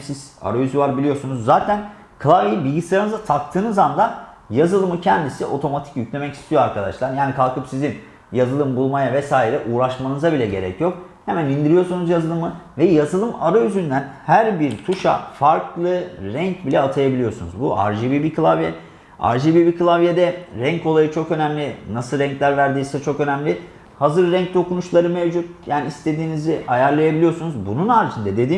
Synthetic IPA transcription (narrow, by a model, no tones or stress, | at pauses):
siz̥a̰ɾajyzyvaɾbilʲijo̞ɾsunuzːaːt̪ʰæn | kʰlˠaviibilʲɟislʲˠaɾanɯzat̪ʰak̚t̪ʰɯːnɯzand̪a | jazɯlˠɯmɯcʰɛnd̪isiʔo̞t̪ʰo̞mat̪ʰi̥cjycʰlʲe̞mɛci̥st̪ʰijo̞aɾkʰad̪aʃlˠaɾjaːnikʰalˠkʰɯpsizin | jazɯlˠɯmbulˠmajavɛsaːiɾɛʔuːɾaʃmanɯzabilʲɛɟe̞ɾɛcjo̞khemænind̪iɾijo̞sunuzjazɯlˠɯmɯvɛjazɯlˠɯmaɾajyzynd̪ænhæɾbiɾt̪ʰuʃa̰faɾklˠɯɾɛɲcbilʲɛat̪ʰajabilʲijo̞sunṵzbuʔa̰ɾʒibibikʰɯlˠavjɛ | a̰ɾʒibibikɯlˠavjed̪ɛɾɛɲcolˠajɯt͡ʃʰo̞kø̞næmlʲɪnasɯlˠɾɛɲclʲæɾvæɾd̪iːsɛt͡ʃʰo̞kø̞næmlʲɪ | hazɯɾːɛɲc̚d̪o̞kunuʃlˠaɾɯmevd͡ʒut̪̚jaːniːst̪e̞d̪iːniziʔajaɾlˠajabilʲijo̞sunuzbununaɾd͡ʒind̪ad̪e̞d̪iːm